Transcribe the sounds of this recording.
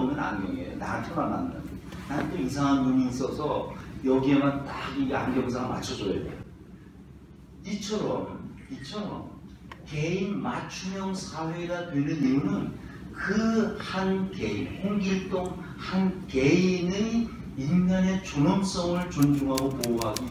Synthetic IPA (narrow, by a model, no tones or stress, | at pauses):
mʌna̰ɲiḛjo̰na̰npʰjʌnana̰nda̰ | natʰoisʰaŋɦanmuɲiːs͈ʌsʰʌjʌɡiemantaɡia̰nɡjʌŋs̬ʰaɡama̰t͡ɕʰʌd͡ʑojʌ̰do | it͡ɕʰʌɾʌmit͡ɕʰʌɾʌ̰m | keinmat͡ɕʰumjʌŋsʰawe̞ɾatwenɯniunɯn | kɯhanke̞inhoŋɡiɭt͈oŋ | hankeinɯ | inɡane̞t͡ɕonʌms͈ʌŋɯɭt͡ɕond͡ʑuŋɦaɡopooɦaɡi